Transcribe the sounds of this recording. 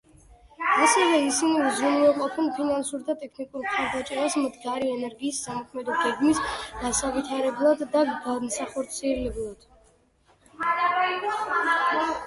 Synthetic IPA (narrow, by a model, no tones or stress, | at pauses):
asɛvɛisinivzuniaqʼɔpʰɛnpʰinansuɾd̪at̪ʼɛkʰnikʼuɾmχaɾd̪at͡ʃʼɛɾasmd̪ɡaɾiɛnɛɾɡiːsːamɔkʰmɛd̪ɔɡɛɡmisɡasavit̪ʰaɾɛblˠad̪ːaɡamsaχɔɾt̪sʰiɛlɛblˠad̪̥